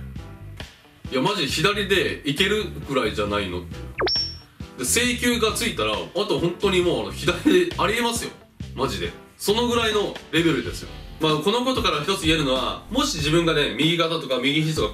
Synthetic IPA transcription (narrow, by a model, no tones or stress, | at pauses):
jamaʑiçid̪aɾʲid̪e̞ike̞ɾɯ̟ɡɯ̟ɾaiʑanaino̞̰t̪ːe | d̪e̞se̞ːkʲɨːɡat͡sɨit̪aɾaat̪o̞hõ̞nt̪o̞ɲ̟imo̞ːano̞çid̪aɾʲid̪eaɾʲie̞masɨjo̞̰ | maʑid̪e̞̰ | so̞no̞ɡɯ̟ɾaino̞ɾe̞be̞ɾɯ̟d̪e̞sɨjo̞̰maːko̞no̞ko̞t̪o̞kaɾaçi̥t̪o̞t͡sɨie̞ɾɯ̟no̞βa̰mo̞ɕid͡ʑibɯ̟̃ŋɡane̞mʲiɡʲikat̪at̪o̞kamʲiɡʲiç̬it̪oɡa